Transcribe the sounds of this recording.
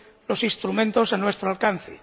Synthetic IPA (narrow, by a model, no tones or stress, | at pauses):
lo̞sinst̪ɾumẽ̞nt̪o̞sanwe̞st̪ɾoalkan̟θḛ